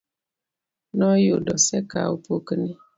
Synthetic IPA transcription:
nɔjodɔsɛka̰upokəni

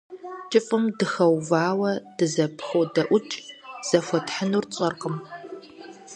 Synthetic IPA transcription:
t͡ʃʼɪfʼɨmdɨxɐwvaːwɐd̥ɨzɐpʰxowdɐʔʷʊt͡ʃʼz̥ɐfʷɔtħənuːrt͡sʼɐrqəm

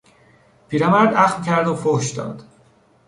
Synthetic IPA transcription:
pʰiːɾæmæɾd̪æxmcʰæɾd̪ofohʃd̪ɒ̰ːd̪̥

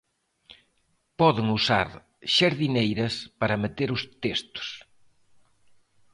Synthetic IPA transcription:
pɔðɪŋusa̰ɾ | ʃɐɾðinejɾɐspɐɾɐmet̪eɾʊst̪est̪ʊ̥s

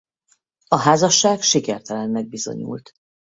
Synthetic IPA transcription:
ɒɦaːzɒʃːaːɡʃikɛrt̪ɛlɛnmɛɡ̚bizo̞̰ɲṵːlt̪

